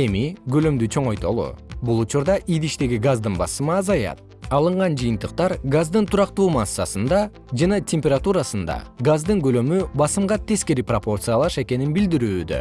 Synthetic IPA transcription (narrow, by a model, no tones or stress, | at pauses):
e̞miɡø̞lø̞md̪yt͡ʃʰo̞ɴo̞jt̪o̞̰lˠṵbulˠut͡ʃuɾd̪ɑʔid̪iʃt̪e̞ɡʲiɡazd̪ɯnbɑ̰sɯmɯɑzɑjɑ̰t̪̚ | ɑlˠɯɴʁɑnd͡ʒɯjɯnt̪ɯq̚t̪ɑɾɡazd̪ɯnt̪ʰuɾɑqt̪uːmɑsːɑsɯnd̪ɑ | d͡ʒɑnɑtʲʰe̞mʲpʲeɾat̪uɾasɯnd̪ɑ̰ɡazd̪ɯŋɡø̞lø̞mybɑsɯmʁɑt̪ʰe̞ske̞ɾipropo̞rt̪sɨjalˠɑʃe̞ke̞ninbild̪iɾyːd̪ø̰